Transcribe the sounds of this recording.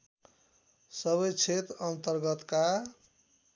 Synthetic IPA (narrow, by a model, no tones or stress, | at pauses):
sʌβʌjt͡ʃʰet̪ʌnt̪ʌɾɡʌt̪ka